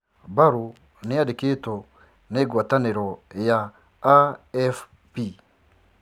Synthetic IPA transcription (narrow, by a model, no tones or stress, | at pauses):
baɾu | neadiketo | neːɡwataneɾɔjaː | ɛf | pi